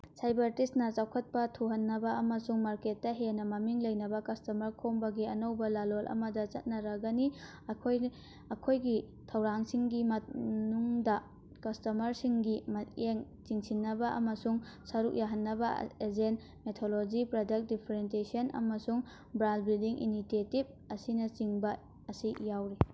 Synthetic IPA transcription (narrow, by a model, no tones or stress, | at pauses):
sajbɐɾtistnɐt͡ʃawkʰɐt̚pɐtʰuɦɐnːɐbɐʔɐmɐsuŋmaɾket̚ːɐɦenɐmɐmiŋlɐjnɐbɐkɐstɐmɐɾkʰombɐɡiɐnɐwbɐlalolʔɐ̰mɐdɐt͡ʃɐ̰t̚nɐɾɐɡɐni | ɐkʰoj | ɐkʰojɡi | tʰɐwɾaŋsiŋɡimɐnuŋdɐ | kɐstɐmɐɾsiŋɡimɐeŋ | t͡ʃiŋsinːɐbɐʔɐ̰mɐsuŋ | sɐɾuk̚jaɦɐnːɐbɐ̰ezent | metʰolod͡ʒipɾodɐk̚t̚dipʰɐɾent̬esiɐnʔɐ̰mɐsuŋ | bɾanbɾildiŋʔḭnitetib̚ | ɐsinɐt͡ʃiŋbɐ | ɐsijawɾi